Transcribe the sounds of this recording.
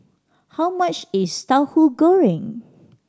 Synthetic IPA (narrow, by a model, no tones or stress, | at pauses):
hawmat͡ʃɪst̪aʊhuɡoɹɪ̃ŋ